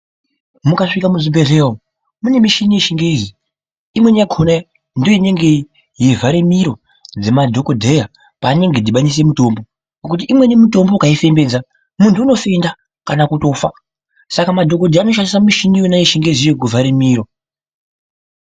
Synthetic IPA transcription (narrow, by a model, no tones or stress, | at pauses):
mukaʂikamuʐibʱe̞ɮeːwo | mune̞miʃinijeʃiŋɡe̞zi | imwe̞nijaɡʰʱona | ndoine̞ŋɡe̞ | je̞vʱaɾemiɾo̞ | d͡zemadʱo̞kodʱe̞ja | paːne̞ŋɡe̞dʱiɓaɲis̬e̞muto̞mbo̞ | pak̬ut̬iʔimwe̞nemuto̞mboukaife̞mbe̞ːd͡za | muntʰuːno̞fe̞nda | kanakuto̞fa | sakamadʱo̞kodʱeanoʃ̬andisamiʃinijonajeʃiŋɡe̞zijek̬uvʱaɾemiːɾo̞